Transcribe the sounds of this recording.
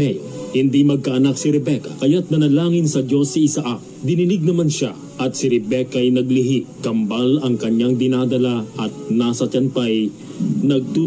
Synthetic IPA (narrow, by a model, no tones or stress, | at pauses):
ɛjhɪnd̪imɐɡ̚kaʔɐnak̚siɾɛbɛkɐkɐjat̪̚nɐnɐlaːŋɪnsɐd͡ʒo̞sːiɪsaʔak | d̪ɪnɪlɪɡ̚nɐmanʃa | ʔɐt̪̚sɪɾɛbɛkɐʔɐjnɐɡlɪɦiʔkɐmbalɐŋkɐɲaŋd̪ɪnad̪ɐlaʔɐt̪̚nasɐt͡ʃɐnt̪aj | nɐɡ̚t̪u